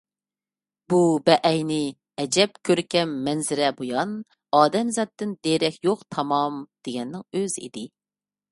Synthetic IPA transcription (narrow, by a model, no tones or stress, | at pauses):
bubɛʔɛjnɪ | ɛd͡ʒɛp̚kʲʰøɾkʲɛmːɛnzɪɾɛbojɑn | ɑːd̪ɛmzɑt̪ːɨnd̪eɾɛkʲjoqt̪ʰɑmɑmd̪̥eɡʲɛnːɪŋøzḭd̪ɪ